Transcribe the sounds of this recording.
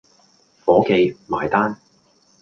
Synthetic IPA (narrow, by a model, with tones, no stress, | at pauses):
fɔː˨˥ke˨˧jma̰ː˨jt̪aː˥n